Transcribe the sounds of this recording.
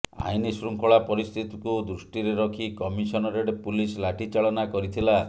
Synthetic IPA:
a̰jnisɾuŋkʰɔɭapɔɾist̪ʰit̪ikud̪ɾusʈiɾeɾɔkʰikɔmisɔnɔɾeɽepulislaʈʰit͡ʃaɭɔnakɔɾit̪ʰila

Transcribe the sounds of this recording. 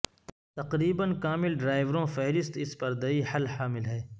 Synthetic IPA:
t̪ɐqɾiːbənkaːmɪlɖɾaːɪʋɾõfɛɦɾɪst̪ɪspɐɾd̪ɐihɐlhaːmɪlɦɛː

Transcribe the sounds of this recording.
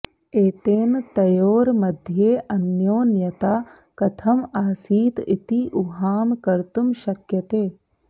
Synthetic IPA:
eːt̪eːnt̪ɐjoːɾmɐd̪ʱjeːʔɐnjoːnjɐt̪aː | kɐt̪ʰɐmaːsiːt̪ḭt̪iʔuɦaːmkɐɾt̪umʃɐkjɐt̪eː

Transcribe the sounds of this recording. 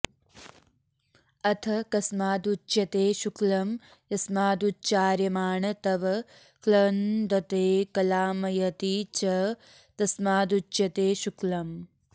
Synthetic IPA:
ɐt̪ʰɐkɐsmaːd̪ut͡ʃjɐt̪eːʃuklɐm | jɐsmaːd̪ut͡ʃaːɾjɐmaːɳɐt̪ɐʋɐ | klɐnd̪ɐt̪eːkɐlaːmɐjɐt̪it͡ʃɐ | t̪ɐsmaːd̪ut͡ʃjɐt̪eːʃuklɐm

